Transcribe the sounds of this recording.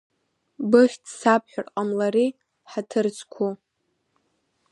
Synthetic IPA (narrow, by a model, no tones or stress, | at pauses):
bɨχʲtʰsap̚ʰħʷᶣarqʼamlaɾi | ħatʰɨrt͡sʰʼkʷʰu